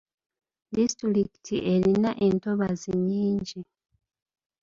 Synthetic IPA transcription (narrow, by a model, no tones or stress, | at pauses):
distuɾikitʰiʔe̞ɾinaʔe̞nto̞βaziɲiːɲɟi